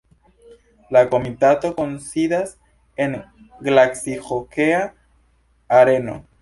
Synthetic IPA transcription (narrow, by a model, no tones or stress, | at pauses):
lako̞mitato̞konsidas | eŋ | ɡlaksixokeaː | ɾe̞no̞̰